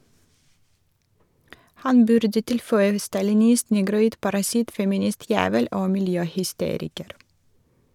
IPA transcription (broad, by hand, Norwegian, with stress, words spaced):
ˈhɑn ˈbʉɾdə ˈtɪlfœʏə stɑlɪˈnɪst ˈnɛɡɾʊˌiːd pɑɾɑˈsɪt fɛmɪˈnɪˌstjæːʋəl ˈoː mɪlˈjøːhʏˌsteːɾɪkəɾ